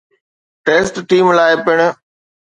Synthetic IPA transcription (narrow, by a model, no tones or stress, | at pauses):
ʈeːsʈʈiːmlaːɪpɪɽ̃ə